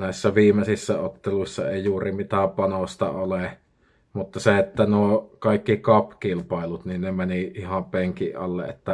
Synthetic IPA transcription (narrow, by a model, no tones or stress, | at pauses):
næˑisːæʋiːmesisːæot̪ːeluisːɑ̰eˑijuːrimit̪æpɑnost̪ɑ̰ole | mut̪ːɑseet̪ːænuokɑˑikːikɑpkilpɑˑelut̪ninnemeniʔihɑmpeŋkiʔʔɑ̰lːḛʔet̪ːæ